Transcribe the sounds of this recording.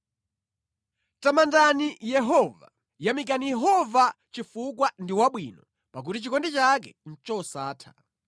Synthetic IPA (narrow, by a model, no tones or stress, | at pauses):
tamandanijɛɦɔva̰ | jamik̬anijɛɦɔva | t͡ʃifuk̬wandiwaɓwinɔ | pak̬utit͡ʃikɔndɛt͡ʃak̬ɛ̰n̩t͡ʃɔsaːtʰḁ